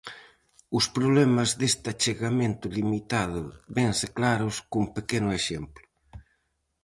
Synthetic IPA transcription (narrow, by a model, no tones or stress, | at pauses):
ʊspɾoβlɛmazðest̪at͡ʃeɣamẽnt̪ʊlimit̪að̞ʊβɛŋsɪklaɾʊskuŋpekenʊeʃemplʊ